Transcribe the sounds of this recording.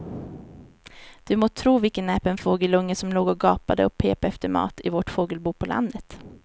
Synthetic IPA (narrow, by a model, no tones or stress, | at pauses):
d̪̥ɵmoːt̪ʰːɾuːvɪlkənɛːpənfoːɡəlɵŋːəsɔmloːɡɔɡɑːpad̪əɔpʰːeːpaɛft̪əɾmɑ̰ːt̪ɪvɔʈfoːɡəlbuːpʰɔlʔa̰nd̪ət̪